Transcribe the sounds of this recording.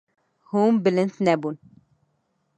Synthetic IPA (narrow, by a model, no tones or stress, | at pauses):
humbɪlɪnt̪nɛbun